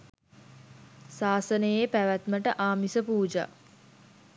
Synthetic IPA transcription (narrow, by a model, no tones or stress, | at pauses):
saːsənəjepæʋæt̪məʈəʔaːmisəpuːd͡ʒa̰